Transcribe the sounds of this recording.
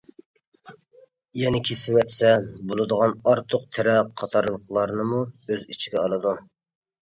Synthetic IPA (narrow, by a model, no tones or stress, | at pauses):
jɛnɪkʲʰesɪwɛt̪sɛbolˠɨd̪əʁɑnɑɾt̪ʰʊq̚t̪ʰɪɾɛqʰɑt̪ʰɑɾlˠəqlˠɑɾnɨmuøzit͡ʃʰiɡʲɛɑlˠɨd̪u